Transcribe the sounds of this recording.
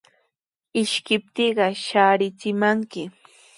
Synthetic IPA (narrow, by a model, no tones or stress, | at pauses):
ɪʃkɪp̚t̪iːɢɑʃaːɾɪt͡sɪmaŋkɪ